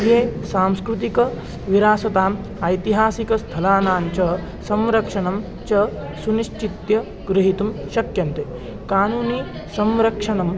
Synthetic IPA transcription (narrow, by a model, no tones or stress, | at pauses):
jeːsaːmskɾut̪ikɐ | ʋiɾaːsɐt̪aːm | ɐjt̪iɦaːsikɐst̪ʰɐlaːnaːɲt͡ʃɐ | sɐ̃mɾɐkʂɐnɐm | t͡ʃɐ | suniʃt͡ʃit̪jɐ | ɡɾɪɦit̪umʃɐkjɐnt̪e | kaːnuːniː | sɐmɾɐkʂɐnɐm